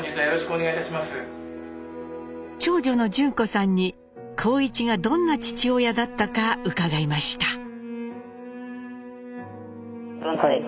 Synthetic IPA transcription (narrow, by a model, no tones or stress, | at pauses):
ɲiːt̪ajo̞ɾo̞ɕi̥kɯo̞neɡait̪aɕimasɨ | t͡ɕo̞ːʑo̞no̞d͡ʑɨ̃ŋko̞sãɲ̟ːi | kʰo̞ːit͡ɕiɡad̪õ̞nːat͡ɕi̥t͡ɕio̞jad̪at̪ːakaɯ̟kaɡaimaɕi̥t̪ḁ